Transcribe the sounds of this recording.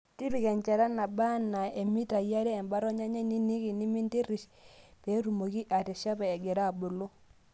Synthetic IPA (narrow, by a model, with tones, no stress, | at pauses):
ti˦pi˨kɛ˨ɲt͡ʃɛ˨ɾa˦na˨ba˦nːa˨e˨mi˦ta˨ja˦ɾɛː˦˨mba˦ɾɔ˦ɲa˦ɲɛ˦ni˦ni˦ki˨ni˦mi˦nti˦ɾi˨ʃpe˨˦ɾu˨mo˨ki˦ʔa˨tɛ˨ʃa˦pɛ˨ɛ˨ɡɛ˨ɾa˦˨bo˨lo˦